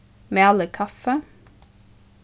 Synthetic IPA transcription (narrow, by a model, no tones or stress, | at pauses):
meːɑləkʰɑfə